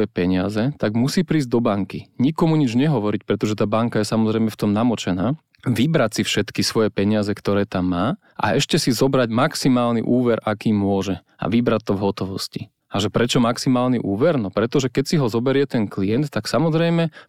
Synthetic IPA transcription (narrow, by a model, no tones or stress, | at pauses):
jɛpɛɲɪazɛt̪aɡmusiːpɾiːzɟd̪ɔbaŋkiɲikɔmuɲid͡ʒɲɛɦɔʋɔɾicpɾɛt̪ɔʒɛt̪aːbaŋkajɛsamɔzɾɛjmɛft̪ɔmnamɔt͡ʃɛnaː | ʋibɾatsifʃɛt̪kisʋɔjɛpɛɲɪazɛkt̪ɔɾɛːt̪amːaː | ʔa̰ɛʃcɛsizɔbɾaɟmaksimaːlnḭʔuːʋɛɾʔakiːmʊɔʒɛ | a̰ʋibɾatt̪ːɔvɦɔt̪ɔʋɔsci | aʒɛpɾɛt͡ʃɔmaksimaːlniʔuːʋɛɾnɔpɾɛt̪ɔʒɛkɛcsiɦɔzɔbɛɾɪɛt̪ɛnklijɛnt̪ːaksamɔzɾɛjmɛ